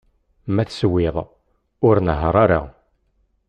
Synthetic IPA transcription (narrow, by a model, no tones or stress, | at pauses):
mæθswːɪðˤ | ʊɾnəɦəɾˤaɾa̰